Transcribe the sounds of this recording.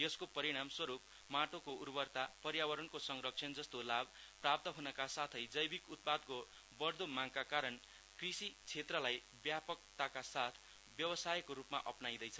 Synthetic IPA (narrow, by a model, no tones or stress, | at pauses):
jʌskopʌɾiɽ̃amswʌɾup̚ | maʈokourbʌrt̪apʌɾjawʌɾʌnkosʌŋrʌk̚t͡sʰʌnd͡zʌst̪olabprap̚t̪ʌɦunʌkasat̪ʰʌjd͡zʌjbikut̪̚pad̪̚ko | bʌrd̪omaŋkakaɾʌn | krisit͡sʰet̪rʌlaj | bjapʌk̚t̪akasat̪ʰ | bjʌwʌsajekoɾupma̰ʔʌpnajd̪ʌjt͡sʰʌ